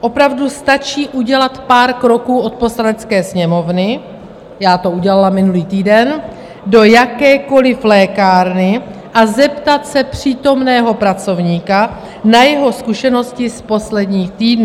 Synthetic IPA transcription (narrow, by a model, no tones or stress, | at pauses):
ʔo̞pɾavdust̪at͡ʃiːʔuɟɛlat̪paːɾkɾo̞kuːʔo̞t̪̚po̞slanɛt͡skɛːsɲɛmo̞vnɪ | jaːt̪o̞uɟɛlalamɪnuliːt̪iːdɛn | do̞jakɛːko̞lɪflɛːkaːɾnɪ | ʔazɛpt̪at̪sɛpr̝̥iːt̪o̞mnɛːɦo̞pɾat͡so̞vɲiːka | najɛɦo̞skuʃɛno̞scɪspo̞slɛdɲiːxt̪iːdnu